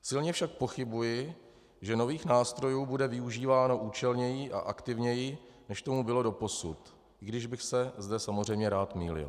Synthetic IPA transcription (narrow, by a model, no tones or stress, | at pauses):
sɪlɲɛfʃak̚po̞xɪbujɪ | ʒɛno̞viːxnaːst̪ɾo̞juːbudɛvɪuʒiːvaːno̞ʔuːt͡ʃɛlɲɛjɪʔa̰ʔakt̪ɪvɲɛjɪ | nɛʃt̪o̞mubɪlo̞do̞po̞sut̪ | ɪɡdɪʒbɪxsɛzdɛsamozrɛjmɲɛɾaːt̪mḭːlɪ̰l